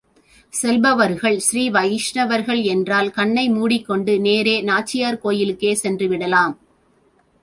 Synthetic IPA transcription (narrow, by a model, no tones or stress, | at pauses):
sɛlbɐʋɐɾɣɐɭsɾiːʋɐjɪʂɳɐʋɐɾɣɐɭɛndraːlkɐɳːɐɪmuːɽɪkːɔɳɖɯneːɾeːnaːt͡ʃːɪjaːɾkoːjɪlɯkːeːsɛndrɯʋɪɽɐlaːm